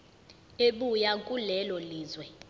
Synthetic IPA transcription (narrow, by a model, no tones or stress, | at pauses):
eɓujakʼulɛlɔliːzwɛ